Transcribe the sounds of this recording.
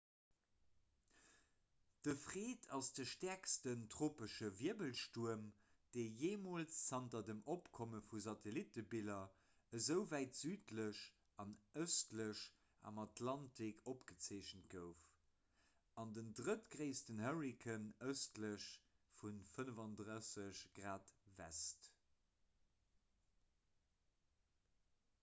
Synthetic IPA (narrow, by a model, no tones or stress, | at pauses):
d̥əfʁeːtʰɑsd̥əʃtɛɐkstəntʀoːpəʃəviəbəlʃtuəm | d̥eɪjeːmoːlt͡ssɑntɐdəmopkʰoməfuzɑtʰelitəbilɐ | əzəʊvæɪtz̥yːtləɕ | ɑnəʊstləɕ | ʔɑ̰mɑtʰlɑntʰikʰopɡ̥ət͡seːɕəntɡəʊf | ɑndəndʁətɡʁeɪstənhəʁikʰənəʊstləɕfunfənəvɑndʁəsəɕɡ̥ʁaːtvæ̰st